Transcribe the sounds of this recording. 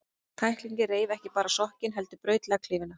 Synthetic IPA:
t̪ʰajhkliɲcɪreːjvɛhcɪpaːɾasɔhcɪnɦɛl̪t̪ʏpɾœːɥt̪lɛɣakʰlɪːvɪna

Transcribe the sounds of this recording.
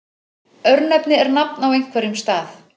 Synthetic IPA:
œɾnɛpnɪɛɾnapnawejŋ̥kʰvɛɾjʏmst̪aːθ

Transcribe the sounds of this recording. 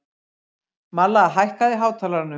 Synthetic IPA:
malːaɦajhkaðɪɦaːwt̪ʰaːlaɾnʏ

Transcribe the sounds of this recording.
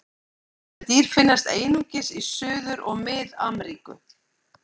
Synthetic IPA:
ɛt̪iːɾ̥fɪnːast̪eːjnuŋcɪsisʏːðʏɾɔɣmɪðamɾiːkʏ̰

